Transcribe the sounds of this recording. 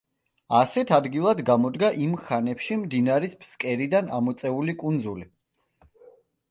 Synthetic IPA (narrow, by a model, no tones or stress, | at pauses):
asɛt̪ʰad̪ɡilˠad̪ɡamɔd̪ɡaʔimχanɛpʃimd̪inaɾispʰskʼɛɾid̪ana̰mɔt̪sʼɛulikʼund̪zuli